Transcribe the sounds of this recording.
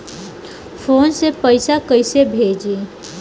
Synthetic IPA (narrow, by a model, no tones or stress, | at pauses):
pʰoːnsepəɪsakəɪsebʱed͡ʒe